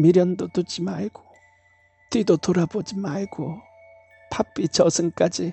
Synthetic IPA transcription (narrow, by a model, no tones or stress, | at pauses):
miɾjʌnd̪ot̪ud͡ʑimaɭɡ̥o | tid̪ot̪oɾabod͡ʑimaiɡo | pʰap͈ːit͡ɕʌsʰɯŋk͈ad͡ʑi